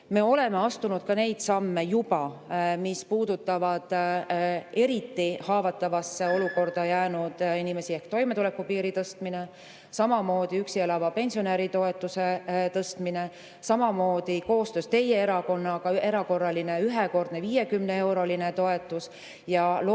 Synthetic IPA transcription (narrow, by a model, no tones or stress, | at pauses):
me̞ːo̞le̞me̞ɑst̪unud̪̥kɑne̞jd̪̥sɑmːe̞jub̥ɑmispuːd̪ut̪ːˑɑvɑd̪̥ | e̞ɾit̪ːihɑːvɑt̪ːˑɑvɑsːeo̞luko̞rd̪̥ɑjæːnud̪̥inime̞siehkt̪o̞jme̞t̪ule̞kːupiːɾit̪ɤst̪mine̞ | sɑmɑmo̞ːd̪̥iyksielɑvɑpe̞nʲsioneɾit̪o̞e̞t̪ːˑuse̞t̪ɤst̪mine̞ | sɑmɑmo̞ːd̪̥iko̞ːst̪ø̞ːst̪e̞je̞e̞ɾɑko̞nːɡ̥ɑe̞ɾɑko̞rːɑline̞yɦeko̞rd̪̥neviːje̞kymne̞e̞wɾo̞line̞t̪o̞et̪ˑːus | jɑl